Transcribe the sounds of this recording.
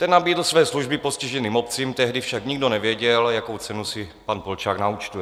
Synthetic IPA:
t̪ɛnːabiːdl̩svɛːsluʒbɪpo̞sciʒɛniːmo̞p̚t͡siːmt̪ɛɦdɪfʃakɲiɡdo̞nɛvjɛɟɛljakowt͡sɛnusɪpanpolt͡ʃaːknaut͡ʃt̪ujɛ

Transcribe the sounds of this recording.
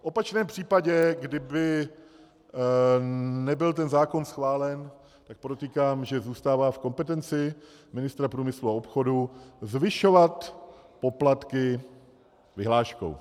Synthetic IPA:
fʔo̞pat͡ʃnɛːmpr̥iːpaɟɛɡdɪbɪ | nɛbɪlt̪ɛnzaːko̞nsxvaːlɛn | t̪ak̚pɾot̪ikaːmʒɛzuːst̪aːvaːfko̞mpɛt̪ɛnt͡sɪ | mɪnɪst̪ɾapɾuːmɪsluaopxo̞duzvɪʃo̞vat̪po̞plat̪kɪ | vɪɦlaːʃko̰w

